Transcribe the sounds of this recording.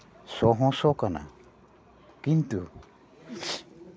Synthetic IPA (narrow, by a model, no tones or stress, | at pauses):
sɔɦɔ̃sɔkana̰ | kint̪u